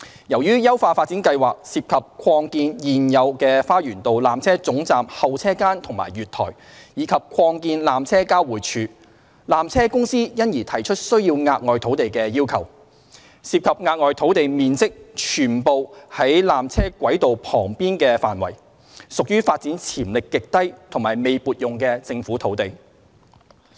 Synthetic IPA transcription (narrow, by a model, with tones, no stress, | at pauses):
jɐ˨˩wjyː˥jɐ˥wfaː˧faː˧t̚t͡siː˨˥nkɐ˧jwaː˨k̚siː˧p̚kʰɐ˨p̚kʰɔː˧ŋkiː˧njiː˨njɐ˨˧wkɛː˧faː˥jyː˨˩nt̪o˨wlaː˨mt͡sʰɛː˥t͡sʊ˨˥ŋt͡saː˨mhɐ˨wt͡sʰɛː˥kaː˥nt̪ʰʊ˨˩ŋma̰ː˨˩jɥyː˨t̪ʰɔ̰ː˨˩j | jiː˨˧˥kʰɐ˨p̚kʰɔː˧ŋkiː˧nlaː˨mt͡sʰɛː˥kaː˥wwuː˨˩t͡ʃʰyː˨˧ | laː˨mt͡sʰɛː˥kʊ˥ŋsiː˥jɐ˥njiː˨˩t̪ʰɐ˨˩jt͡ʃʰɵ˥t̚sɵ˥ɥjiː˧wŋaː˧t̚ŋɔː˨jt̪ʰo˨˥wt̪e˨jkɛː˧jiː˥wkʰɐ̰˨˩w | siː˧p̚kʰɐ˨p̚ŋaː˧t̚ŋɔː˨jt̪ʰo˨˥wt̪e˨jmiː˨nt͡sɪ˥k̚t͡ʃʰyː˨˩npo˨whɐ˨˥jlaː˨mt͡sʰɛː˥kʷɐ˨˥jt̪o˨wpʰɔː˨˩ŋpiː˥nkɛː˧fa̰ː˨nwɐ̰˨˩j | sʊ˨k̚jyː˥faː˧t̚t͡siː˨˥nt͡sʰiː˨˩mlɪ˨kːɪ˨k̚t̪ɐ˥jt̪ʰʊ˨˩ŋmaː˨˩jme˨jpuː˨t̚jʊ˨ŋkɛː˧t͡sɪ˧ŋfuː˨˥t̪ʰo˨˥wt̪e˨j